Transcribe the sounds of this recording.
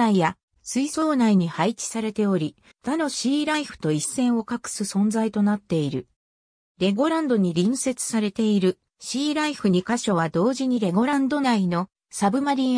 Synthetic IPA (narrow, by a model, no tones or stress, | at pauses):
aija | sɨiso̞ːnaiɲ̟ihait͡ɕi̥saɾe̞t̪e̞o̞ɾʲi | d̪̥ano̞ɕiːɾaiɸɯ̟̥t̪o̞isːẽ̞ɰ̃o̞kakɯ̟̥sɨsõ̞nd͡zait̪o̞nat̪ːe̞iɾɯ̟ | ɾe̞ɡo̞ɾãnd̪o̞ɲ̟iɾʲĩɰ̃se̞t͡sɨ̥saɾe̞t̪e̞iɾɯ̟ | ɕiːɾaiɸɯ̟ɲ̟ikaɕo̞β̞ad̪o̞ːʑiɲ̟iɾe̞ɡo̞ɾãnd̪o̞naino̞ | sabɯ̟maɾʲĩ